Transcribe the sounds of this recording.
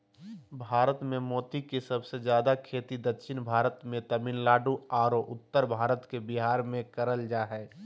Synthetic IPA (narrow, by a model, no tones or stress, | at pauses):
bʱaːɾət̪mẽmɔːt̪ikesəbsed͡ʒjaːd̪akʰeːt̪id̪əkʃɪnbʱaːɾət̪mẽt̪ɐmɪnlaːɖuaːɾoʔʊt̪ːəɾbʱaːɾət̪kebɪɦaːɾmẽkəɾəld͡ʒaːɦɛː